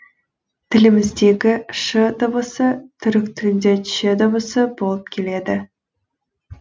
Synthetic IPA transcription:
t̪ʰɪlɪmɪzd̪e̞ɡʲɪʃəd̪əbəsət̪ʰʏɾɪk̚t̪ʰɪɪnd̪ʲeʃed̪əbəsəbo̞lˠəp̚kʲʰe̞le̞d̪ɪ

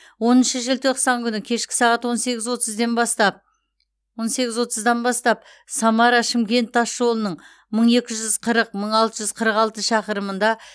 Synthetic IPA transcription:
wo̞nənʃəʒɪlt̪ʰo̞qsɑŋkʲʰʏnɪkʲʰe̞ʃkʲɪ̥sɑʁɑt̪wo̞nse̞ɡʲɪzwo̞t̪əzd̪e̞nbɑst̪ɑp̚ | wo̞nse̞ɡʲɪzwo̞t̪əzd̪ɑnbɑst̪ɑp̚ | sɑmɑɾɑʃɪmkʲe̞nt̪ʰːɑsʒo̞lˠənəɴ | məɴe̞kʲɪʒʏz̥qʰəɾəq̚məɴɑlˠt̪əʒʏzqʰəɾəqɑlˠt̪əʃɑqəɾəmənd̪ɑ

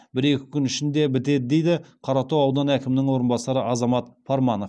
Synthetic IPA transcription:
bɪɾe̞kʲɪ̥kʲʰʏnɪʃɪnd̪e̞bɪt̪e̞d̪ɪd̪ejd̪ɪqʰɑɾɑt̪owɑwd̪ɑnækʲɪmɪnɪŋwo̞ɾənbɑsɑɾəʔɑzɑmɑt̪pʰɑɾmɑnof

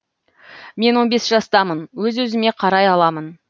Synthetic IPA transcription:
me̞nwo̞nbe̞sʒɑst̪ɑmənwɵzwɵzɪme̞qʰɑɾɑjɑlˠɑmən

